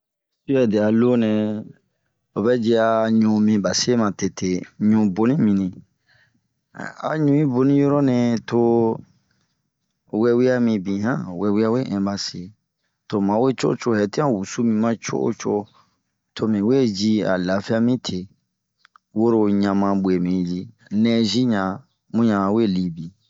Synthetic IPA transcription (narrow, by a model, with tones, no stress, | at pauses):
si˦ɛ˨de˨a˨lo˦nɛ̃˨ | o˨bɛ˦d͡ʒi˦a˧ɲũ˨mĩ˧ba˨se˦mã˨te˨tʰe˨ɲũ˨bo˦nĩ˦mĩ˨nĩ˨ | a̰˨ɲũ˨ĩ˦bo˧nĩ˦jɔ˦ɾɔ˦nɛ̃˧to˧ | wɛ˧wi˦a˦mĩ˧bĩ˨ɦã̰˦wɛ˧wi˦a˦we˦ʔɛ̃˨ba˨se˨ | to˨mã˨˦we˦t͡ʃo̰˦t͡ʃo˦hɛ˨ti˦ã˦wu˨su˦mĩ˧mã˦t͡ʃo̰˦ʔo̰˦t͡ʃo̰˦ | tʰo˨mĩ˨we˦d͡ʒi˦a̰˨la˨fi˦a˦mĩ˦tʰe˨ | wo˦ɾo˧ɲã˨mã˧ɓwe˨mĩ˨ji˦ | nɛ̃˦zi˦ɲã˨ | mũ˦ɲã˨we˦˨li˨bĩ˨